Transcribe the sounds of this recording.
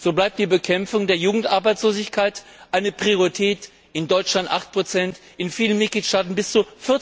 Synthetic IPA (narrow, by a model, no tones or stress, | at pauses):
z̥oːblaɪp̚td̥iːbəkʰɛmfʊŋdeːɐjuːɡŋ̩tʔaɐbaɪt͡ssloːzɪçkʰaɪtʔaɪnəpʁ̥ioʁitʰɛːt | ʔɪndɔʏt͡ʃlantʔa̰χt̚pʁ̥ot͡sɛnt | ʔɪnfiːlənmɪt̚ɡ̥liːtʃtaːtn̩bɪst͡sufɪɐ